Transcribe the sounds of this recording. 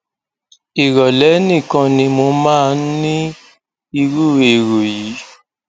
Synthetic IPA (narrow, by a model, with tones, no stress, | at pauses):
i˨ɾɔ˨lɛ˨˦nĩ˦˨kã˧nĩ˧mo˧mãː˦˧˦nĩ˦ | i˧ɾu˦e˨ɾo˨ji˨˦